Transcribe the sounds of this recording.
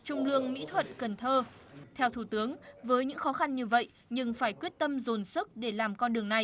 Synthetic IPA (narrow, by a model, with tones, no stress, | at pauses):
t͡ɕʊ˧ŋ͡mlɨ˧əŋmḭ˧˥t̪ʰwə̰˧˨nkə˨˩nt̪ʰəː˧t̪ʰɛ˧wt̪ʰu˧˩t̪ɨ˨˦əŋvəː˨˦jɲɨ̰˧˥ŋxɔ˨˦xa˧nɲɨ˧və̰˧˨j | ɲɨ˧ŋfaː˧˩jkwət̚t̪ə˧mzo˨˩nsɨ˦˥k̚ɗe˧˩laː˨˩mkɔ˧nɗɨ˨˩əŋna˨˩j